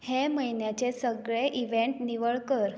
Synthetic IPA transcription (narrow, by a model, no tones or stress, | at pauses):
heməjnjat͡ɕesəɡɭeʔiʋeɳʈniʋəɭkəɾ